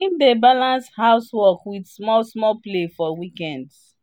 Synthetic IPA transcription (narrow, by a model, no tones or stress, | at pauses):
ĩndebalãnshaʊswɔkwidsmɔlsmɔlplefɔwikɛ̃nds